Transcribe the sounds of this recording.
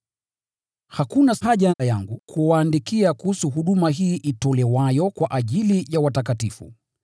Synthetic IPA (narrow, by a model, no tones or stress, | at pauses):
hakunaaʄaajaŋɡukʰuwaːndikiakuhusuɦuɗumaɦiːʔitɔlɛwajɔkwaʔaʄilijawatakatifṵ